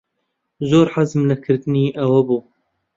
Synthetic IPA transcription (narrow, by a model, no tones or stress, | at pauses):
zoːɾħazmlɐkʰɨɾt̪ɨniːʔɐwɐbuː